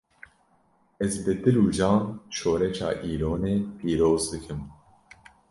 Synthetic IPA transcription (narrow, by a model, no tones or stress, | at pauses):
ɛzbɨd̪ɨɾuːd͡ʒɑːnʃoːɾɛt͡ʃɑ̰ːʔiːɾoːneːpʰiːɾoːzd̪ɨkʰɨm